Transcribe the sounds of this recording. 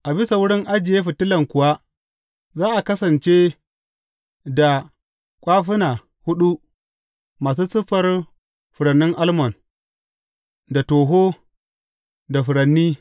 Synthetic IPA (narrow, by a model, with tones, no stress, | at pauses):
ʔa˨bɪ˦sa˨wʊ˦ɽɪ˦ŋʔa˦d͡ʒɪ˨je˦ɸɪ˨tɪ˦lɐ˨ŋkʷʊ˨wa˦ | zaː˦ʔa˨kɐ˦sɐ˨nt͡ʃe˦ | da˨ | kʷʼaː˦ɸɪ˦na˨ | hʊ˦ɗu˦ | maː˨s̬uː˦sɪ˦ɸɐ˦r | ɸʊ˨ɽɐ˨nːɪ˦ŋʔa˦lmɔ˨n | da˨toː˨ɦoː˦ | da˨ɸʊ˨ɽɐ˨nːiː˦